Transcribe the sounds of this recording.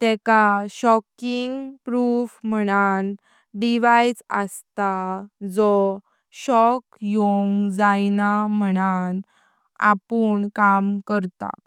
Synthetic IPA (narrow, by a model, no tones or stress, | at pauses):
t̪ɛkaɕɔkiŋɡpɾufm̤əɽ̃an | ɖiʋajd͡zəst̪ad͡zɔ | ɕɔkjoŋɡd͡zajnam̤əɽ̃an | a̰puːɳkamkəɾt̪a̰